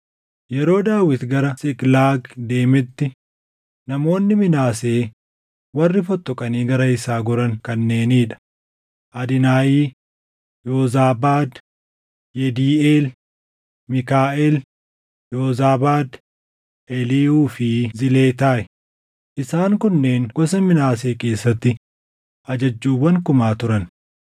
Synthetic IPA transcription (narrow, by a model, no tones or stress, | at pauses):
jɛɾo̞ːd̪aːwɪt̪ɡɐɾɐsɪklaːɡd̪e̞ːmɛt̪ːɪ | nɐmo̞ːnːɪmɪnaːse̞ː | wɐrːɪfɔt̪ːɔkʼɐniːɡɐɾɐɪsaːɡʊɾɐŋkɐnːe̞ːniːᶑɐ̥ | ʔɐd̪ɪnaːjiː | joːzaːbaːd̪ | jɛd̪iːeːl | mɪkaːʔɛl | joːzaːbaːd̪ | ʔɛliːuːfɪzɪle̞ːt̪aːʔɛ | ʔɪsaːŋkʊnːe̞ːnɡ̥ɔs̬ɐmɪnaːse̞ːke̞ːsːɐt̪ːɪ | ʔɐd͡ʒɐd͡ʒːuːwɐŋkʊmaːt̪ʊɾɐn